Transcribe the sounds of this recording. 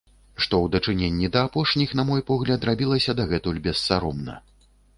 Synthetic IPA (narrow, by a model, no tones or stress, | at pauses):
ʂt̪ɔwd̪ɐt͡ʂɨnʲenʲːid̪ɐːpɔʂnʲixnɐmɔjpɔɣlʲɐt̪rabʲilˠɐsʲɐd̪aɣɛt̪ulʲbʲɛsːaɾɔmnɐ̰